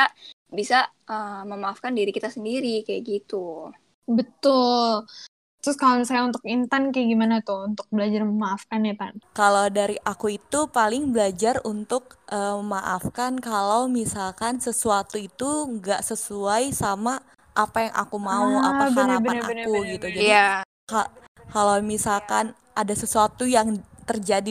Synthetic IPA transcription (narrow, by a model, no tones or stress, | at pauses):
abisa | əməmaːfkandiɾikit̪asəndiɾikajaɡit̪u | bət̪ʊl | t̪ɾʊskalənsajaunt̪ʊkint̪ankajaɡimanat̪ʊunt̪ʊk̚bəlad͡ʒarməmaːfkanapankalawdaɾiʔakuit̪upalɪŋbəlad͡ʒarunt̪ʊk̚ʔəməmaʔafkankalawmisalkansəsuat̪uit̪uŋɡaʔsəsuajsama | ʔːpajaŋʔa̰kumaua̰pabəanəabanankuɡit̪ud͡ʒajdia | ka | kalawmisalkan | adasəsuat̪ujaŋt̪ərd͡ʒadi